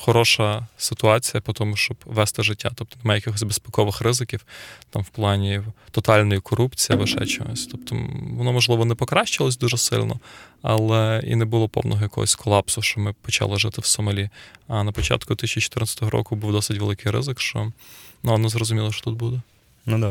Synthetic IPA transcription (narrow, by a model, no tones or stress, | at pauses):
xɔɾɔʃɐsɪt̪ʊɑt͡sʲijɐpɔt̪ɔmʊʃt͡ʃɔbʋɛst̪ɪʒɪtʲːat̪ɔp̚t̪ɔnɛmɑjɐkʲɪxɔsʲzʲbespɛkɔʋɪxrɪzɪkʲiwt̪ɑmwplˠɑnʲit̪ɔt̪ɑlʲnɔjikʰɔɾupt͡sʲijiʋɐʃɛ̰t͡ʃɔɦɔ̰sʲt̪ɔp̚t̪ʰɔ̰ʋɔnɔmɔʒlˠɪʋɔnɛpɔkɾɑʃt͡ʃɪlˠɔsʲd̪uʒɛsɪ̰lʲnɔ̰ɐlˠɛḭnɛbʊlˠɔpɔ̰wnɔɦɔjɐkɔ̰ɦɔ̰sʲkʰɔlˠɑpsʊʃt͡ʃɔmɪpɔt͡ʃɑ̰lˠɪʒɪt̪ɪwsɔmɐlʲiɐnɐpɔt͡ʃɑ̰t̪kʊd̪ɪt̪isʲt͡ʃit͡ʃɔ̥t̪ɪrnɑt͡sʲːt̪ɔɦɔɾɔ̰kʊbuwd̪ɔsɪtʲʋelˠɪkɪjɾɪ̰zɪkʃt͡ʃɔ̰nuɔnɔzrɔzʊmʲilˠɔʃt͡ʃɔ̥t̪ut̪̚bud̪ɛ | nud̪